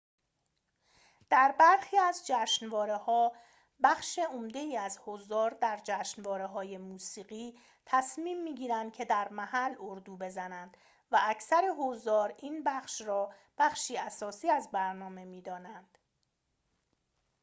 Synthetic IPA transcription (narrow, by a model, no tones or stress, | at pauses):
d̪̥æɾbæɾxiːæzd͡ʒæːʃnvɒːɾe̞hɒː | bæxʃeomd̪e̞iːæzhozd̪ɒːɾd̪æɾd͡ʒæːʃnvɒːɾeɦɒːje̞muːsiːɢiː | t̪ʰæsmiːmːiːɟiːɾænd̪̚cʰe̞d̪æɾmæhæloɾd̪uːbe̞zænænd̪̥ | væʔæcʰsæɾeɦozd̪ɒːɾiːnbæχʃrɒːb̥æχʃiːæsɒːsiːæzbæɾnɒːme̞miːd̪ɒːnænd̪̥